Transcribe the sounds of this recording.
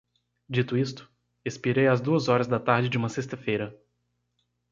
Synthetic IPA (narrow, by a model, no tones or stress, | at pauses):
d͡ʒit̪ʊist̪ʊ̥ | espiɾejazd̪uɐzɔɾɐzd̪ɐt̪aɾd͡ʒɪd͡ʒɪũmɐsest̪ɐfejɾɐ